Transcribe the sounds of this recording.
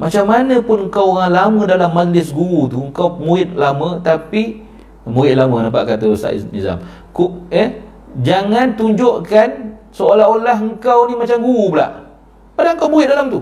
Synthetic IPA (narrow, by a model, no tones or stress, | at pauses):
mʔat͡ʃamːanə̃pʊnəŋ̩kawɣaŋlamədalamːad͡ʒlɪsɡuut̪uəŋkawmuɪt̪̚lamə̃t̪api | muɪt̪̚lamənampa̰ʔkat̪əst̪a̰ʔnḭza̰m | kuʔəh | d͡ʒaŋant̪uɲd͡ʒoʔkansoolaɦolaɦəŋkawnimat͡ʃamɡuubla̰ʔ | padaŋkawbuiɪt̪̚dalamt̪u